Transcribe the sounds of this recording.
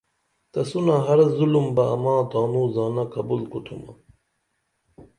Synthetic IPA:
t̪ɐsunaɦɐɾɐzulumbɐɐmaːt̪aːnuːzaːnɐkɐbulkut̪ʰumɐ̰

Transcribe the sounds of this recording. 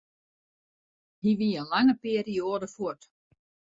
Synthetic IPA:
hiʋiənlaŋəpeəɾioːdəfuət

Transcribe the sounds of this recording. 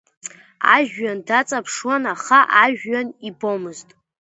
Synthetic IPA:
a̰ʒᶣɥandat͡sʼapʰʂwanaχaʔaʒᶣːanibomɨztʼ

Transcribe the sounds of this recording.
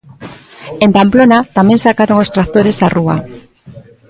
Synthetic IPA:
empamplonat̪amẽŋsakaɾoŋost̪ɾat̪oɾesarua̰

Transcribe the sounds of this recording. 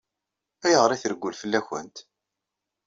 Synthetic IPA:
æjəʁɾˤiθəɾɡʷːulfəlːæçə̰nt̪

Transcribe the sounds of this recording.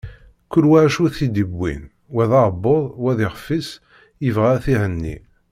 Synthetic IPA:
kːʊɾwaʕʃuθid̪əbːḭn | wæðɑɾbːoðˤwæðɪʁfːis | jəvʁaθiʕənːḭ

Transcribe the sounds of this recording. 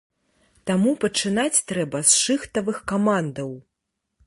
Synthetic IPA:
t̪amupɐt͡ʂɨnat͡sʲt̪ɾɛbɐsʂɨxt̪ɐvɨxkamand̪ɐw

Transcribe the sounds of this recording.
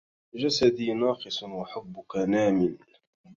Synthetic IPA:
d͡ʒasad̪iːnɑːqɨsˤwaħʊbːʊkanaːmɪn

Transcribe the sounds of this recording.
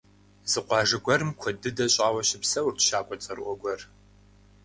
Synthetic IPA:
zɨqʷɑːʐɨɡʷɐrɨmkʷʰɔdɨdɐɕʼaːwɐɕɪpsɐwʊrtʰʃaːkʷʼɔt͡sʼɐrʔʷɔɡʷɔr

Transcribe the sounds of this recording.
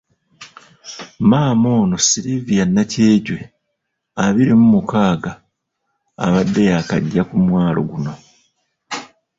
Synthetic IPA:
maːmo̞ːno̞siɾivijanːace̞ːɟwe̞ | aβiɾemumukaːɡa̰ː | βadːe̞jaka̰ɟːakumwaːlo̞̰ɡuno̞

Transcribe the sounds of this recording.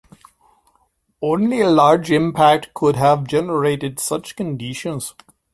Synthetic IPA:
õːnlielaːɾd͡ʒɪ̃mpʰæk̚ʈkʰʊɖɦæʋd͡ʒɛnəɾeːʈɪɖsʌt͡ʃkə̃nɖiʃə̃nz̥

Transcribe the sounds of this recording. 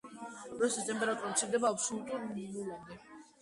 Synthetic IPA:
ɾɔsist̪ʼɛmpʼɛɾat̪ʼuɾat̪sʰiɾd̪ɛbaːpsɔlut̪ʼuɾminulɔnd̪ɛ

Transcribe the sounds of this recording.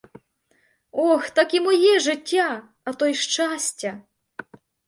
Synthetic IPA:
ɔxt̪akimɔjɛʒɪtʲːa | ɐt̪ɔjʃt͡ʃasʲtʲːɐ

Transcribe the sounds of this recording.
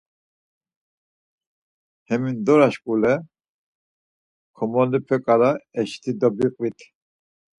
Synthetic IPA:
hɛmind̪ɔɾaʃkʼulɛ | kʰɔmɔlipʰɛkʼaɾaɛʃt̪ʰid̪ɔbiqʼvit̪ʰ

